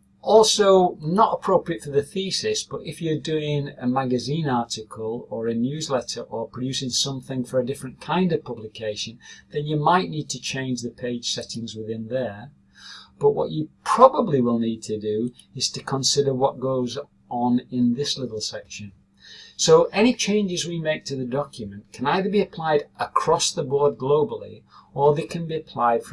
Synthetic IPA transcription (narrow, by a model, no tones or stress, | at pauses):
ʔɔlˠsoʊnəɾəpʰɹ̥oʊpɹiɨtfə˞ðɨθisɪsb̥ʌɾɪfjə˞dʉɪ̃ŋəmaɡɨzĩnɑɹtɪkʰəlˠə˞ɨnjʉzlɛtə˞ʔə˞pʰɹ̥ɨdd͡ʒjʉsɪ̃ŋsʌ̃mθɪ̃ŋfə˞ɨdɪfɹɨ̃nkʰãɪ̃ndʌv̥pʰʌblɪkʰeɪʃɨ̃nðɨ̃njɨmaɪʔⁿnid̚tʰɨt͡ʃʰẽɪ̃nd͡ʒðəpʰeɪd̥ʒ̥sɛɾɪ̃ŋzwɪðɪ̃nðə˞ | b̥ʌʔwʌ̰t͡ʃɨpʰɹ̥ɑbəbliwɪlˠnid̚tʰɨdɨɨz̥tʰɨkʰə̃nsɪɾə˞wʌt̚ɡ̥oʊz | n̩ɪ̃nðɪslɪɾl̩ˠsɛkʃɨ̃n | soʊʔɛñit͡ʃʰẽɪ̃nd͡ʒɨzwimeɪk̚tʰɨðɨdɑkjɨmɨ̃nkʰɨ̃naɪðə˞biɨpʰl̥aɪɾʔəkʰɹ̥ɔsðəbɔɹd̚ɡloʊbl̩ˠḭ | ə˞ðɨkʰɨ̃nbiɨpʰl̥aɪd̥f